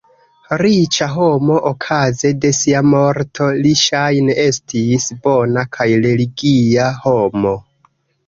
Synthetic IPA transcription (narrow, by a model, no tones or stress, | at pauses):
ɾit͡ʃaɦo̞mo̞ʔokʰaze̞de̞siamoɾtʰo̞liʃajnee̞stisbo̞nakʰajɾe̞liɡiaho̞mo̞